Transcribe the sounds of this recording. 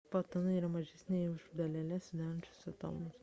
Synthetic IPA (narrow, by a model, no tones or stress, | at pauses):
pɐt̪ɐnɐiːɾɐmɐʒʲɛsʲnʲɛjʊʃd̪ɐlʲɛlʲɛsʲd̪ʲæːɾɐnʲt͡ʃʲʊ̥sʲɛt̪ɐ̰lˠmʊs